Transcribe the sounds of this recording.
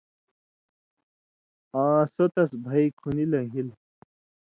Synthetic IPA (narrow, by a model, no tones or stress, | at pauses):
ãːsot̪ɐsbʱɐikʰunilɐɦil